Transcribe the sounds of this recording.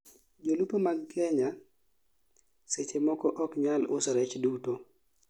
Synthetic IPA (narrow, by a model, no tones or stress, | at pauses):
d͡ʒolupomaɡkʰɛɲa | set͡ʃemɔkɔʔɔkɲalʊsɾɛt͡ʃduto